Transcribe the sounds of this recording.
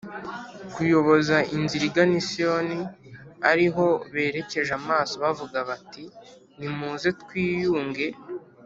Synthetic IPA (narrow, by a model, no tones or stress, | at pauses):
kujo̞βo̞zaʔinziɾiɡanisioniaɾiɦo̞βe̞ːɾe̞ce̞ʒamaːsoβavuɡaβati | nimuːzetkwiːjuːŋɡe̞